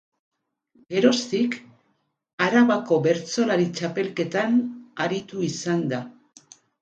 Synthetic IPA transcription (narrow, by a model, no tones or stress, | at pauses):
ɡe̞ɾo̞st̪ik | aɾaβako̞βe̞ɾt͡so̞laɾit͡ʃape̞lke̞t̪anaɾit̪uisand̪a